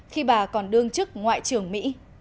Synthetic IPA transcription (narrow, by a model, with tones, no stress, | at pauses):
xi˧ɓaː˨˩kɔ˨˩nɗɨ˧əŋt͡ɕɨ˦˥k̚ŋwa̰ː˧˨jt͡ɕɨ˨˩əŋmḭ˧˥